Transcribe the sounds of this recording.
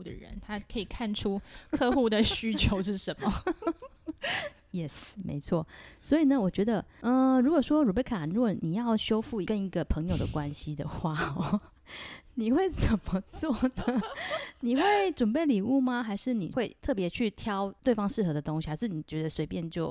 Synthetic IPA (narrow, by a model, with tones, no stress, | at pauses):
u˥˩d̪ə̰˩ɻə̰˧˦nt̪ʰa˥kʰə˧˥i˨˩kʰa˥˩nʈ͡ʂʰu˥kʰɤ˥˧xu˥˩d̪ə˨ɕy˥t͡ɕʰjo˧˥ʊʂ̬ɻ̩˥˩ʂə˧˥nmə˨ | jɛ˥˩smḛ˧˥ɪt͡sʰwɔ̰˥˩swɔ˧˥i˨˩nə˩wɔ˨˩t͡ɕɥɛ˧˥d̪ə˧ə˧ɻu˧˥kwɔ˨˩ʂwɔ˥ɻu˨˩pe˥˩ɪkʰa˨˩ɻu˧˥ɡwɔ˨˩ni˨˩jɑ˥˩ʊɕjo˥ʊfu˥˩˧kə˦ni˧˥ɡə˨pʰə˧˥˦ŋjo˨ʊd̪ə̰˩kwa˦nɕi˨d̪ə˨xwa˥˩ɔ˩ | ni˨˩xwe˥˩ɪt͡sə˨˩nmə˦t͡swɔ˥˩nə˨˩ni˨˩xwe˥˩ɪʈ͡ʂwə˨˩npe˥˩ɪli˨˩u˥˩ma˧xa˧˥ɪʂɻ̩˥˩nḭ˨˩xwe˥˧ɪt̪ʰɤ˥˩pjɛ˧˥t͡ɕʰy˥˩t̪ʰjɑ˥ʊt̪we˥˩ɪfɑ˥ŋʂɻ̩˥˩xɤ˧˥d̪ə˨t̪o˥ŋɕi˨ha˧˥ʂɻ̩˥˩ni˨˩t͡ɕɥɛ˧˥d̪ə˧swe˧˥ɪpjɛ˥˧nt͡ɕjo˥˩ʊ